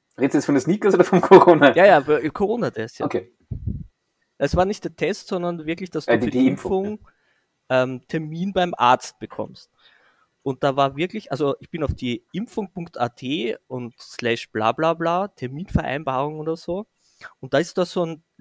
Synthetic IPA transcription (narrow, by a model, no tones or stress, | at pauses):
ʁeːdsujɛt͡sfɔndɐsniːkɐsʔoːdɐfɔnkʰoʁoːnajaːjaːfkʰoʁoːnatʰɛstja̰kʰeː | sv̥aːɐnɪçtd̥ɛːɐtʰɛstsɔndɐnvɪɐklɪçd̥astduiɪmffʊŋ | ʔɛːmtʰɛɐmiːnbaɪmʔa̰ɐt͡st̚b̥əkʰɔ̰mst | ʊnt̚d̥aːvaːɐvɪɐklɪçʔalzoʔɪçb̥ɪnaʊfd̥iːʔɪmfʊŋpʊŋktaːtʰeːʔʊntslɛʃb̥la̰ːblaːblaːtʰɛɐmiːnfɛɐʔæ̰ɪnbaːʁʊŋoːdɐzoː | ʊnt̚d̥aːɪstudasoːn